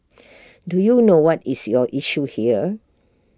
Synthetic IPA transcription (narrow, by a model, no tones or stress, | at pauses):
dujunowɔtisjɔʔiʃuhiə